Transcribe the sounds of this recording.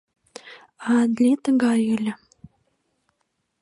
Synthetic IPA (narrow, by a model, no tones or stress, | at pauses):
ɑd̪lʲet̪əɣɑjylʲə̆